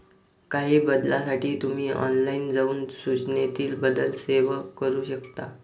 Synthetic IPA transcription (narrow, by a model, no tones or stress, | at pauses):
kaɦiːbəd̪lasaʈiːt̪um̤iːɔ̰nlaind͡zauːnsut͡ɕnet̪iːlbəd̪əlseʋəkəɾuːɕəkt̪a̰